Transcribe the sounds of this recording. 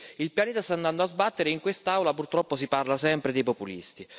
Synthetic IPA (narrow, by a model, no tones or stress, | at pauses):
ilpjaneːt̪ast̪anːand̪oazbat̪ːeɾeiŋkwest̪aawlapurt̪ɾɔpːos̬iparlasɛmpɾed̪ejpopulḭst̪i